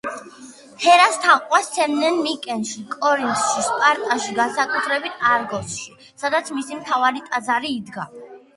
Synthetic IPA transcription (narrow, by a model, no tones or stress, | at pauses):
hʰɛɾast̪ʰaqʼwasɛmnɛnmikʼɛnʃikʼɔɾint̪ʃispʼaɾt̪ʼaʃiɡansakʼut̪ʰɾɛbit̪ʰaɾɡɔsʃi | sad̪at̪sʰmisimt̪ʰavaɾit̪ʼazaɾiːd̪ɡa